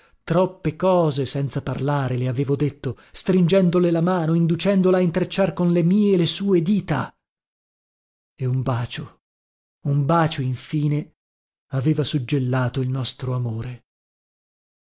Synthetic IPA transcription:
t̪ɾɔpːekɔːzesɛnt̪saparlaːɾeleaveːvod̪et̪ːo | st̪ɾind͡ʒɛnd̪olelamaːnoind̪ut͡ʃɛnd̪olaːint̪ɾet͡ʃːarkonlemiːelesuːed̪iːt̪a | eumbaːt͡ʃo | umbaːt͡ʃoiɱfiːne | aveːvasud͡ʒːelːaːt̪oilnɔst̪ɾoamoːɾe

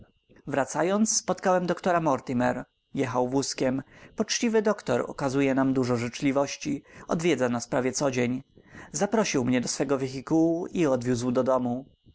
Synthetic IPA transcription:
vɾat̪sajɔnt̪sːpɔt̪kawɛmd̪ɔkt̪ɔɾamɔɾt̪imɛɾ | jɛxawvwuskʲɛmpɔt͡ʂt͡ɕivɘd̪ɔkt̪ɔɾɔ̰kazujɛnamd̪uʐɔʐɘt͡ʂlʲivɔɕt͡ɕiɔ̰d̪vʲjɛd̪zanaspɾavʲjɛt̪sɔd͡ʑeɲzapɾɔɕiwmɲɛd̪ɔsfɛɡɔvʲɛxʲikuwuʔiɔd̪vʲjuzwd̪ɔd̪ɔmu

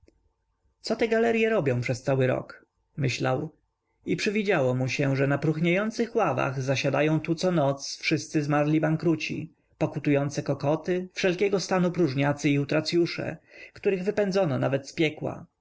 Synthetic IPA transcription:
t̪sɔt̪ɛɡalɛɾjɛɾɔbʲjɔ̃w̃pʂɛst̪sawɘɾɔ̰k | mɘɕla̰w | ipʂɘvʲid͡ʑawɔmuɕɛʐɛnapɾuxɲajɔnt̪sɘxwava̰ɣzaɕad̪ajɔ̃w̃t̪ut̪sɔnɔt̪sfʂɘst̪sɘzmaɾlʲibaŋkɾut͡ɕḭ | pɔkut̪ujɔnt̪sɛkɔkɔt̪ɘfʂɛlkʲɛɡɔst̪anupɾuʐɲat̪sɘiut̪ɾat̪sʲjuʂɛ̰kt̪uɾɘɣvɘpɛnd̪zɔnɔna̰vɛt̪spʲjɛkwa̰

